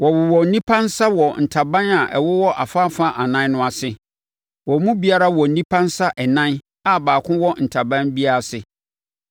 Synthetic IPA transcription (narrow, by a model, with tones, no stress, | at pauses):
wɔ˨bɪ˨wɔ˨n̩˦nĩ˦pʰã˦nsa˦wɔ˨n̩˨tʰa˨bã˦na˨ʔɛ˨wʊ˦wɔ˦ʔa˨fa˦fã˦ʔa˨nã˦n˦nʊ̃˦a˨sɪ˨ | wɔ˨mũ˦bi˨a˦ɾa˦wɔ˨n̩˦nĩ˦pʰã˦nsa˦ʔɛ˨nã˦n | a˨baː˨kʰʊ̃˦wɔ˦n̩˨tʰa˨bã˦nbi˦a˦a˨sɪ˨